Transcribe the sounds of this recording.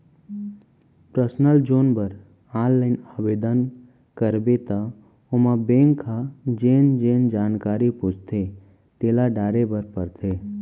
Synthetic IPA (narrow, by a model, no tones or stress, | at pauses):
pɾəsnəld͡ʒoːnbəɾ | aːllaɪnabeːd̪ən | kəɾbet̪a | omãbẽːŋkʰːad͡ʒeːnd͡ʒeːnd͡ʒaːnkaːɾipʊt͡ʃʰt̪ʰe | t̪eːlaɖaːɾebəɾpəɾt̪ʰeː